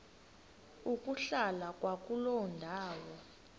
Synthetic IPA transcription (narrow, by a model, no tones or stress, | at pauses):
ukʼuɬalakʼwakʼulɔndʱaːwɔ